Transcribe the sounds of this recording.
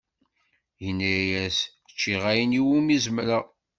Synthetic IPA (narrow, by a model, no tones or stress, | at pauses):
jənːæjæs | ə̥t͡ʃːiʁæjəniwumizməɾa